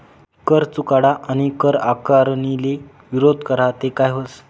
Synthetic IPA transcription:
kəɾt͡sukaɽaʔañikəɾakaɾnile | ʋiɾod̪ʱkəɾat̪ekajɦos

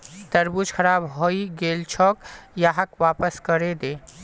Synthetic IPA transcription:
t̪əɾbud͡ʒkʰəɾaːbɦoːiɡeːlt͡ʃʰɔːkjaɦəkʋaːpəskəɾed̪eː

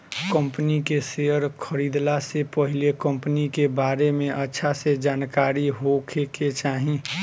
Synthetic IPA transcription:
kə̃mpənikeseəɾkʰəɾiːd̪lasepəɦɪlekə̃mpnikebaːɾemẽʔətːʃʰased͡ʒaːnkaːɾiɦokʰeket͡ʃaːɦĩ

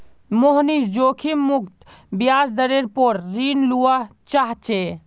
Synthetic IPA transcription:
moɦnisd͡ʒokʰimukt̪bjaːsd̪əɾeɾpoɾɾinluat͡ʃaɦt͡ʃe

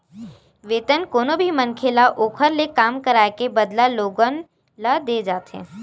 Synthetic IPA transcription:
ʋeːt̪ənkoːnobʱimɐnkʰelaʔoːkʰəɾlekaːmkɐɾaːekebɐd̪laloːɡən | lad̪eːd͡ʒaːt̪ɦɛ̰̃ː

